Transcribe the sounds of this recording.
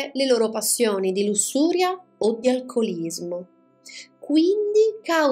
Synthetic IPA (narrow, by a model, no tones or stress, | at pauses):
leloːɾopasːjoːnid̪ilusːuːɾjaod̪ialkʰolizmo | kwind̪ikaw